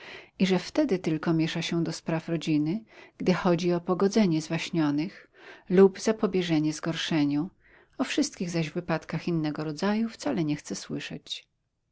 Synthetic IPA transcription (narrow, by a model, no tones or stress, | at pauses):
iʐɛft̪ɛd̪ɘt̪ɘlkɔmʲjɛʂaɕɛd̪ɔspɾafɾɔd͡ʑinɘɡ̥d̪ɘxɔd͡ʑiɔpɔɡɔd̪zɛɲɛzvaɕɲɔnɘx | lubzapɔbʲjɛʐɛɲɛzɡɔɾʂɛɲu | ɔfʂɘst̪̚kʲiɣzaʑvːɘpat̪kaxinːɛɡɔɾɔd̪zajuft̪salɛɲɛxt̪sɛswɘʂɛ̰t͡ɕ